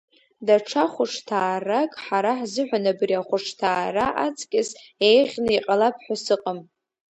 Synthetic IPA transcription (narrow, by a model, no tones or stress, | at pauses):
daʈ͡ʂʰaχʷʊʂʰtʰaːrakʼħaɾaħzɨħᶣʷanabriaχʷʊʂtʰaːraʔat͡sʼkʲʼɪsejʁʲnɨiqʼalapʰħʷᶣasɨqʼam